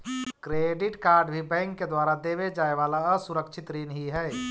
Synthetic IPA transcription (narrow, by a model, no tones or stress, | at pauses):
kɾeːɖɪʈkaːɾɖbʱibɛ̃ːŋkːed̪waːɾad̪eːʋed͡ʒaːeʋaːlaəsʊɾəkʃʰɪt̪ɾiːnɦiɦɛː